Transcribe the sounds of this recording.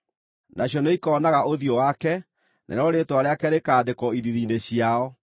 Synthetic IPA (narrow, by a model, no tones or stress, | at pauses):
nʔaɕjɔneikɔːnaɣaoðjɔwakɛ | nʔa̰ɾɔɾetwaɾeakɛɾekaːdekɔiðiðiːneɕiaɔ